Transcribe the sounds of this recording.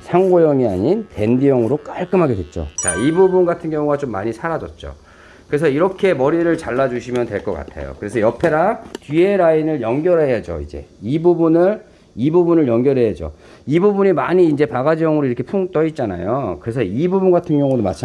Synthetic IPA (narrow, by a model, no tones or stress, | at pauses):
sʰaŋɡojʌŋia̰ɲinte̞ndijʌŋɯɾok͈aɭk͈ɯmɦaɡe̞dwe̞t̚t͡ɕ͈o̰t͡ɕa̰ibubunɡatʰɯnɡjʌŋuɡat͡ɕomːa̰ɲisʰaɾad͡ʑʌt̚t͡ɕ͈o̰ | kɯɾe̞s̬ʰʌiɾʌkʰe̞mʌɾiɾɯɭt͡ɕaɭːad͡ʑuɕʰimjʌntwe̞ɭk͈ʌk͈a̰tʰḛjo̰kɯɾe̞sʰʌjʌpʰe̞ɾatie̞ɾainɯɭjʌŋɡjʌɾɦe̞jad͡ʑo̰ḭd͡ʑe̞̰ibubunɯɭ | ibubunɯɭjʌŋɡjʌɾɦe̞jad͡ʑo̰ | ibubuɲimaɲiːnd͡ʑe̞paɡad͡ʑijʌŋɯɾoiɾʌkʰe̞pʰuŋt͈ʌit̚t͡ɕ͈ana̰jokɯɾe̞s̬ʰʌibubunɡatʰɯnɡjʌŋudoma̰t͡ɕʰ